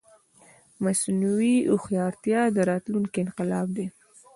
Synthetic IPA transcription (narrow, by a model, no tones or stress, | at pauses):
masnuwiʊxjɑɾt̪jɑd̪əɾɑt̪luŋkeɪnqɪlɑb̚d̪e